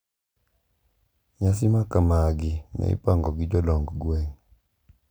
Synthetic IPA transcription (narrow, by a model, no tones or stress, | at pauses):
ɲas̬ɪmakamaɡɪnɛ̰ɪ̰paŋɡɔɡɪd͡ʒɔlɔŋɡɡwɛŋ